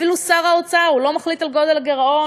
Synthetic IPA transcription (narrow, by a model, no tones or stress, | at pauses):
ilusaʁaot͡saaulo̞maχlit̪alɡo̞d̪elaɡeʁo̞